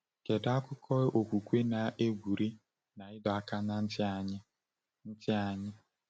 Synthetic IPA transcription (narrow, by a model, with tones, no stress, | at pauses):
ke˨da˦kʊ˦kʰɔ˦ʔo˨kʷu˨kʷe˦na˨ʔe˦ɡʷu˨ɾi˦ | na˨ɪ˦dɔ˨a˨ka˦na˦n̩˦tɪ˦a˨ɲɪ˦ | n̩˦tɪ˦a˨ɲɪ˦